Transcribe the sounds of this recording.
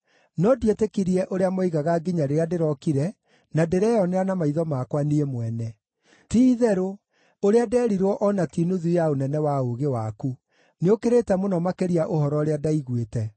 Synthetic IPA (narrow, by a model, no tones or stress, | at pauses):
nɔdietekiɾiɛʔoɾeamoiɣaɣaɡiɲaɾeɾeadeɾɔkiɾɛ | nadeɾɛjɔnɛanamaiðɔmakwaniemwɛnɛ | tiðɛɾo | oɾeadɛːɾiɾwɔʔɔnatinuðujaonɛnɛwaoɣewaku | neokeɾetɛmonɔmakeɾiaʔohɔɾɔɾeadaiɣwetɛ